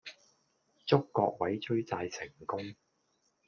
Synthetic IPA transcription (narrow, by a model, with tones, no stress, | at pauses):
t͡sʊ˥kːɔ̰ː˧k̚wɐ˨˥jt͡ʃɵ˥ɥt͡saː˧jt͡sʰɪ˨˩ŋkʊ˥ŋ